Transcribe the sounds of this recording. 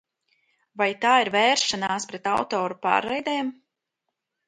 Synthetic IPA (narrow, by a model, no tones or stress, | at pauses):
vajt̪aːiɾvɛːɾʃanaːspɾɛt̪awt̪ɔːɾupa̰ːɾɛjd̪ɛːm